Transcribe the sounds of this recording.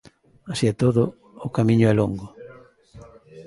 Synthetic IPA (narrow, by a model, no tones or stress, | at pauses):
asiɛt̪oðʊ | ʊkamĩɲʊɛloŋɡʊ